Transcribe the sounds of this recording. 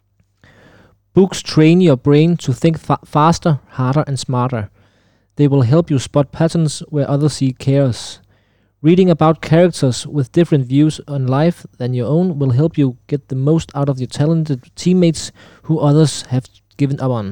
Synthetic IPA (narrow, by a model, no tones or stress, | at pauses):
b̥ʊkstʰɹ̥ẽɪ̃njəb̥ɹẽɪ̃ntʰuθɪ̃ŋkfæstə˞hɑɹɾə˞ʔɨ̃nsmɑɹɾə˞ | ðeɪwɪlˠɦɛlˠpjəspɑt̚pʰætn̩swə˞ʔʌðə̥˞sikʰɛɹz̥ | ɹiːɾɪ̃ŋəbaʊt̚kʰɛɹək̚tʰə˞z̥wɪðd̥ɪfɹə̃ntvjʉz̃n̩laɪfðæ̃njə˞õʊ̃nwɪlˠɦɛlˠpʰjuɡ̥ɛt̚ðəmoʊstaʊɾʌvðjətʰælˠə̃ntɨd̥̚tʰĩːmeɪts | huʔʌðə˞z̥hæv | ɡ̥ɪvnʌpn̩